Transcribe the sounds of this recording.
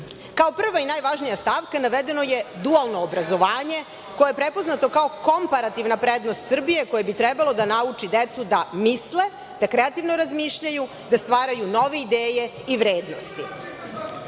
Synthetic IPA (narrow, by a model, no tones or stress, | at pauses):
kao̞pr̩ʋainaːjʋaʒnijast̪aʋkanaʋed̪e̞no̞jed̪ualˠno̞ːbɾazo̞ʋaːɲe̞ | ko̞jajepɾepo̞znat̪o̞kao̞ko̞mpaɾat̪iʋnapɾed̪nost̪sr̩bije̞ko̞jebit̪ɾebalˠo̞d̪anaut͡ʂid̪et̪sud̪amisle̞ | d̪akɾeat̪iʋnoɾazmiːʃʎaju | d̪ast̪ʋaːɾajuno̞ʋe̞id̪eːje̞ | iʋɾeːd̪no̞̰st̪i